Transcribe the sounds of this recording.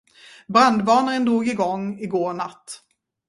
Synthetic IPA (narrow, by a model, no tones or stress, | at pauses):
bɾand̪bɑːnaɾənd̪ɾuːɡɪɡɔŋːɪɡoːɾɳat̪ː